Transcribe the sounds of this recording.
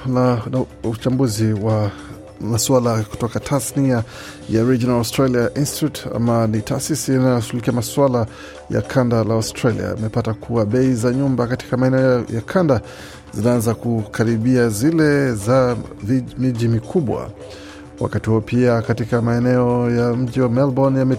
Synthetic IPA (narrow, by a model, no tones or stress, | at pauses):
ut͡ʃambuziwa | maswalaku̥tɔkatʰasnia | jaɾid͡ʒɔnalɔstɾaliaʔinsti̥tuta̰manita̰ːsisinatuulikiamaswala | ja̰kʰandalaɔstɾalḭa̰ḭmɛpatakʰuaɓɛizaɲumbakati̥kamaɛnɛɔjakʰanda | zinaanzakukʰaɾiɓiazilɛza | vimiʄimikʰuɓwa̰ | wa̰katihuɔpʰiakatikamaɛnɛɔjam̩ʄiwamɛlbɔnjamɛ